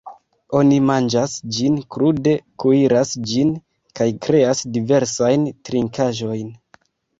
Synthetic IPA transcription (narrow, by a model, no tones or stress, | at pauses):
o̞nimand͡ʒasd͡ʒinkɾude̞kuiɾasd͡ʒin | kajkɾe̞asdive̞ɾsajntɾiŋkaʒo̞jn